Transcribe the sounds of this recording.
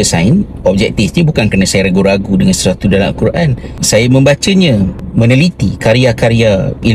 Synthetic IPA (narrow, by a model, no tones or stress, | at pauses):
əsaɪn | ɔb̚d͡ʒɛk̚t̪ifɲə̃bukankənasajaɾaɡuɾaɡudəŋansəswat̪udala̰mkuɾʔansajamə̃mbat͡ʃəɲãmə̃nəlit̪ikaɾiakaɾiai